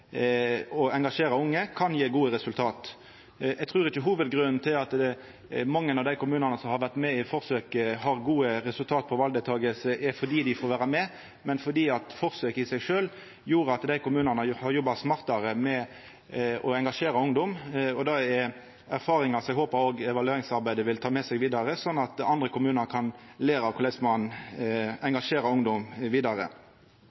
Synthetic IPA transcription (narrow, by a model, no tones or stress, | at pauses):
ɔɛŋɡɑʂeːɾɑʊŋːəkʰɑnjeːɡuːəɾɛsʉlt̪ʰɑːt̪ | ɛɡ̚t̪ʰʁʉːɾɪçəɦuːʋəd̪ɡɾʉnn̩t̪ʰɪlɑt̪d̪ɛ | mɑŋːənɑʋd̪æɪkʊmʉːnɑnəsɔmhɑɾʋæʁt̪mɛɪfɔɾsøːkəɦɑɾɡuːəɾɛsʉlt̪ʰɑːt̪pʰɔʋɑld̪ət̪ʰɑːɡəlsəʔɛɾfɔd̪iːd̪ɪfoːɾʋæːɾɑmɛ | mɛnfɔd̪iːɑt̪fɔɾsøːkəɪsæɪʂøːl | juːɾəɑt̪d̪æɪkʊmʉːnənəhɑɾjɔbːɑsmɑʁt̪ɑɾəmɛ | ɔɛŋɡɑʂeːɾɑʊŋd̪ɔmɔd̪ɑɛ | æɾfɑːɾɪŋɑsɔɛɡɦoːpəɾoːɡɛʋɑlʉeːɾɪŋsɑɾbæɪd̪əʋɪlt̪ʰɑːmɛsɛɡʋiːd̪ɑɾəsɔnːɑt̪ɑnd̪ʁɾəkʰʊmʉːnəɾkʰɑn | leːɾɑkʰʊlɛsmɑn | ɛŋɡɑʂeːɾɑʊŋd̪ɔmʋiːd̪ɑɾə̰